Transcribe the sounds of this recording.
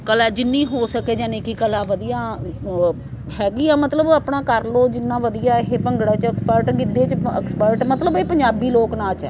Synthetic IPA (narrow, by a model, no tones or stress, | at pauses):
kəlɛːd͡ʒɪnːĩːɦoːsəkeːd͡ʒãːnẽːkikəlaːʋəd̪ijaː | ɦɛːɡiːɛːmət̪ləbaːpɳaːkəɾloːd͡ʒɪnːãːʋəd̪ijaːɦeːpəŋɡɽaːt͡ʃɛkspəɾʈɡɪd̪eːt͡ʃɪ̰kspəɾʈmət̪ləbeːpə̃ɲd͡ʒaːbiːloːknãːt͡ʃɛː